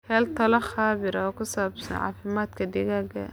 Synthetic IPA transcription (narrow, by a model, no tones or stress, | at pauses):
hɛːlt̪ʰɐlɐχaːβɪɾɐːkʊsaːbsɐ̰nʕɑ̰ːfɪmaːd̪kʰɐd̪ɛɣaːɡɐ̰